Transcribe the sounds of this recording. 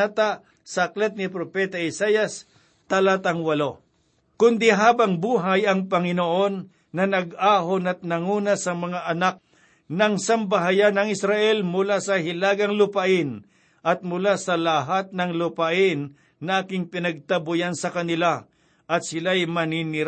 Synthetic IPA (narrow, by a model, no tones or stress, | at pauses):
at̪a | sɐklɛt̪̚nɪpɾopɛːt̪ɐɪsajɐs | t̪ɐlat̪ɐŋwɐlo̞ | kʊnd̪ɪɦaːbɐŋbuːɦajɐŋpɐŋɪnoʔo̞nː | ɐnɐɡaːɦonɐt̪̚nɐŋuːnɐsɐmɐŋaʔɐnak̚ | nɐŋsɐmbɐɦajanɐŋɪsɾaʔɛlmʊlasɐɦɪlaːɡɐŋlʊpɐʔɪn | ʔɐt̪̚mʊlasɐlɐɦat̪̚nɐŋlʊpaʔɪnː | ɐʔaːkɪŋpɪnɐɡ̚t̪ɐbʊjansɐkɐnɪla | ʔɐt̪̚sɪlajmɐninɪɾ